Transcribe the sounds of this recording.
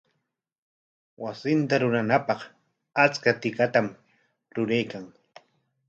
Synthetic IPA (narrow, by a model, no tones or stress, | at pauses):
wasɪnt̪aɾʊɾanapɑq | at͡skat̪ɪkat̪am | ɾʊɾajkaŋ